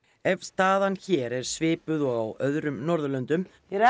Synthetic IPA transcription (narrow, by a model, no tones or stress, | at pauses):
ɛvst̪aːðançɛːɾɛɾ̥svɪːpʏðɔɣawœðɾʏmnɔɾðʏlœnt̪ʏm